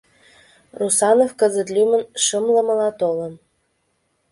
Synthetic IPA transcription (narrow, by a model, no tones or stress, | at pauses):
rusɑnofkəzə̆t̪lʲymə̆nʃəmlə̆mɤ̆lɑt̪olə̆n